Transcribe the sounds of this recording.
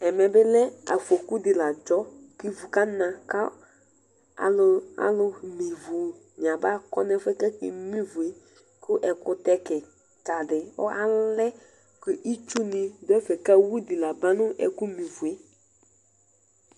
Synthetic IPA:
ɛ˨mɛ̃˨bɪ˦lɛ˦a̰˨fo˨ku˦dɪ˨la˨d͡ʒɔ˦ki˦vu˨ka˦nã˨ka˦ | a˨la̰˦lʊ˦mi˨vu˨ | ɲ˨ã˨ba˦˨kɔ̰˦nɛ˦fɛ˦kɛ˦kɪ̰˨mĩ˦vu˨e˦ | kʊ˦ʔɛ˨kʊ˦tɛ˦kɛ˨ | ta˨dɪ˨ɔ̰˦a˦lɛ˦ | kʊ˦ʔi˦t͡ʃu˦nɪ̃˨dʊ˦ɛ˦fɛ˨ka˦wu˦dɪ˨la˨ba˦nʊ̃˦ʔɛ̰˨ku˦mi˨vu˨e˦

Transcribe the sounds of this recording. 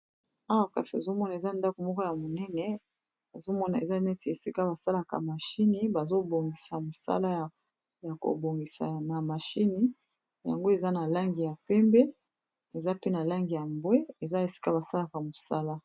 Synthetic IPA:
a˦wa˨ka̰˨si˨o˨zo˦mɔ˦na˨e˨za˦nda˦ko˨mɔ˦kɔ˦ja˨mo˨nɛ˦nɛ˨ | a˨zo˦mɔ˦na˨ḛ˨za˦nɛ˦ti˨e˨si˦ka˦ba˨sa˦la˨ka̰˨ma˨ʃi˦ni˦ba˨zo˦bo˨ŋɡi˨sa˨mo˨sa̰˦la˦˨ | ja˨ko̰˨bo˨ŋɡi˨sa̰˨na˨ma˨ʃi˦ni˦ | ja̰˨ŋɡo˦e˨za˦na˨la˦ŋɡi˨ja˨pɛ˦mbɛ˦ | e˨za˦pe˦na˨la˦ŋɡi˨ja˨mbwɛ˦e˨za˦e˨si̥˦ka˦ba˨sa˦la˨ka˨mo˨sa˦la˦

